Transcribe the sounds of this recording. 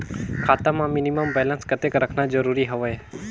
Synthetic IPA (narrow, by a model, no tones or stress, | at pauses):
kʰaːt̪amãmɪniməmbeːlənskət̪eːkɾəkʰnad͡ʒəɾuːɾiɦəʋəe